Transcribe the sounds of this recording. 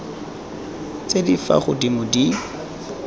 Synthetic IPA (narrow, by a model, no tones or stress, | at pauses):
t͡sedifa̰χʊdimʊdi